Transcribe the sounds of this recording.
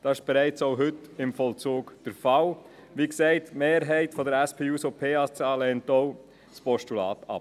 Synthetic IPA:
d̥ɑɪʃb̥ɛɾɛɪt͡sɔʊɦʏtɪmfɔlt͡suːɡd̥əɾfɑl | ʋiːksɛɪtmeːɾɦɛɪtfɔdəɾæspʰeːusopʰeːɑst͡sɑːlɛntɔʊ | spɔʃtulɑ̰ːt̪ɑ̰p

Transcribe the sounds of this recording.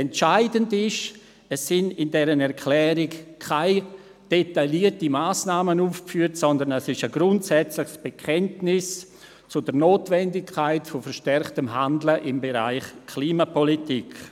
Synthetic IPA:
ɛntt͡ʃaɪdəndɪʃ | ɛsːɪnɪndɛɾənɛɾkʰlɛːɾɪkkʰaɪ | d̥etaliətimaːsnaːmənuːfkfyːətsɔndənɛsɪʃəɡɾʊntsɛt͡slɪxsb̥ekʰɛntnɪs | t͡sʊdənoːtvɛndɪkʰːaɪtfofəɾʃtɛrχtəmɦandləʔɪmbeɾa̰ɪχkʰliːmapʰɔlitik

